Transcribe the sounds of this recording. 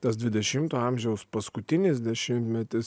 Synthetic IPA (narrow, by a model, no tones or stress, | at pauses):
t̪ɐs̬d̪ʲʋʲɪd̪ʲɛʃʲɪmt̪oːɐmʲʒʲɛʊspɐskʊt̪ʲɪnʲɪs̬ʲd̪ʲɛʃʲɪmt̪ʲmʲɛt̪ʲɪs